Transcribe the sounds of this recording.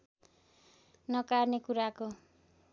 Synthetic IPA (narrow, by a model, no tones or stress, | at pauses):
nʌkarnekuɾako